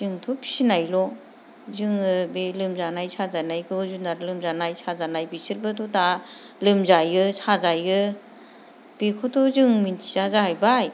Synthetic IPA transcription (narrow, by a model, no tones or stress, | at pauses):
zɯŋtʰɔpʰi̥sinajlɔ | zɯŋɯbelɯmzanajsazanajɡɯzunaɾlɯmzanajsazanajbisiɾbɯtʰɔta | lɯmzajɡɯsazajɡɯ | b̥ekʰɔtʰɔzɯŋmintʰi̥zazaɦajbaj